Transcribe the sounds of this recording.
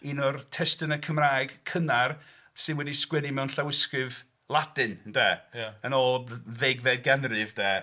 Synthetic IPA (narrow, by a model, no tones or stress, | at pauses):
inɔrtʰɛstənəkʰəmraːjɡ̥kʰənar | sɨnwɛdiskwɛdimɛwnɬawɪskrɨv | lˠadɨnndɛːjaənɔdveɡvɛd̚ɡɛnrɨvd̥ɛː